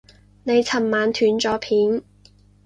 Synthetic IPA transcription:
ne˨˧jt͡sʰɐ˨˩mmaː˨˧nt̪ʰyː˨˥nt͡sɔː˨˥pʰiː˨˥n

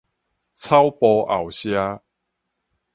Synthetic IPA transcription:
t͡sʰa˦wpɔ˧a˨wɕja˦

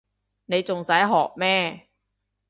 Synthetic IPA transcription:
na˧jt͡ɕo˧ŋsaː˦˥jɦɔː˨˩p̚mɛː˥˩

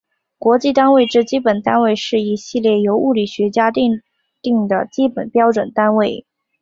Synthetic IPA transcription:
kwɔ˧˥t͡ɕi˥˧t̪a˥nwe˥˧ɪʈ͡ʂɤ˥˧t͡ɕi˥pə˨˩nt̪a˥nwe˥˧ɪʂɻ̩˥˩i˧˥ɕi˥˧ljɛ˥˩jo˧˥ʊu˥˩li˨˩ɕɥɛ˧˥t͡ɕja˥t̪i˥˧ŋ | t̪i˥˩ŋd̪ə˩t͡ɕi˥pə˨˩npjɑ˥ʊʈ͡ʂwə˨˩nt̪a˥nwe˥˩ɪ

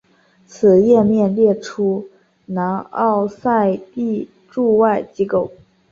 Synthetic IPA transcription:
t͡sʰɹ̩˨˩jɛ˥˧mjɛ˥˧nljɛ˥˩ʈ͡ʂʰu˥ | na˧˥nɑ̰˥˧ʊsa˥˧ɪt̪i˥˧ | ʈ͡ʂu˥˧wa˥˩ɪt͡ɕi˥ko˥˩ʊ

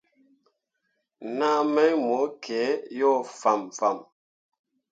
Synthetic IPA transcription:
na˦˨mɛ˦mɔ˨˦kʰɛ˨˦jɔ˦˨fa˨mfa˨m

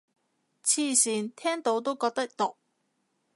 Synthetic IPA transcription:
t͡sʰiː˧˩siː˨˩nt̪ʰɛː˥ŋt̪o˨˥wt̪o˥wkɔː˧k̚t̪ɐ˥k̚t̪ʊ˨k̚

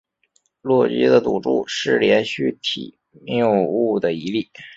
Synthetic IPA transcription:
lwɔ˥˩t͡ɕḭ˥d̪ə˨t̪u˨˩ʈ͡ʂu˥˩ʂɻ̩˥˩ljɛ˧˥nɕy˥t̪ʰḭ˨˩˦ | mjo˥˧u˥˩d̪ə˩i˧˥li˥˩

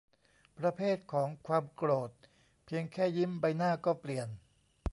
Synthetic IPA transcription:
pɾa˧pʰeː˥˩t̪̚kʰɔː˩˦ŋkʰwaː˧mkɾoː˨˩t̪̚ | pʰi˧əŋkʰɛː˥˩ji˦˥mba˧jnaː˥˩kɔː˥˩pli˨˩ən

